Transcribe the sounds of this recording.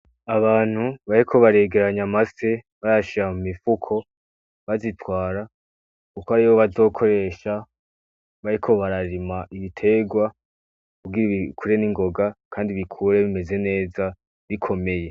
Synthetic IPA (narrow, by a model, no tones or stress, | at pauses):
aβaːn̥huβaɾikʰo̞βaɾe̞ɡe̞ɾaɲamase̞ | βaɾaʃiɾamumifukʰo̞ | βazitwaːɾa | kukoaɾiβo̞βazo̞ːkʰo̞ɾe̞ːʃa | βaɾikʰo̞βaɾaɾimaʔiβitʰe̞ɡwa | kuɡiɾiikuɾe̞niŋɡo̞ɡakʰaːndiβikʰuɾe̞βime̞ze̞ne̞ːza | βikʰo̞me̞je̞